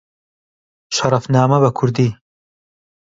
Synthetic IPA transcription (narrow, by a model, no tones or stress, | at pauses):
ʃɐɾɐfnɑːmɐbɐkʰʊɾd̪iː